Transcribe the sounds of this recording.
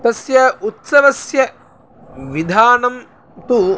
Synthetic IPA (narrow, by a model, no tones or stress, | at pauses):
t̪ɐsjɐut̪sɐʋɐsjɐ | ʋid̪ʱaːnɐm | t̪u